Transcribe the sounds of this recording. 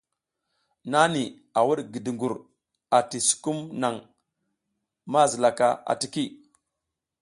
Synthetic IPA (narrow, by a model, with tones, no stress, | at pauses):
na˦ni˨ | a˨wu˦ɗɡi˨di˨ŋɡu˨ɾ | a˨ti˨su̥˨ku˦mna˨ŋ | ma˦zi˨la˨ka˦a̰˨ti˨ki˦˨